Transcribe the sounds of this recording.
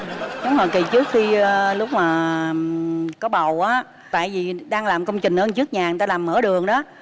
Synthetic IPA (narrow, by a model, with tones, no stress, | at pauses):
ɗʊ˨˦ŋ͡mhɔ˨˩jki˨˩t͡ɕɨ˦˥ək̚xi˧ə˧lʊ˦˥k͡p̚maː˨˩ | kɔ˨˦ɓə˨˩wʔaː˨˦ | t̪a̰ː˧˨jvi˨˩ɗaː˧ŋlaː˨˩mkə˧wŋ͡mt͡ɕï˨˩ŋ̟ʔəː˧nt͡ɕɨ˦˥ək̚ɲaː˨˩˨t̪aː˧laː˨˩mːəː˧˩ɗɨ˨˩əŋɗɔ˨˦